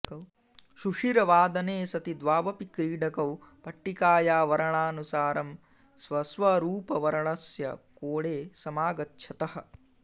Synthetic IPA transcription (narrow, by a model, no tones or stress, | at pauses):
ʃuʂiɾɐʋaːd̪ɐneːsɐt̪id̪ʋaːʋɐpikɾiːɖɐkɐwpɐʈːikaːjaːʋɐɾɐɳaːnusaːɾɐm | sʋɐsʋɐɾuːpɐʋɐɾɐɳɐsjɐkoːɽeːsɐmaːɡɐtːʃʰɐt̪ɐhɐ̆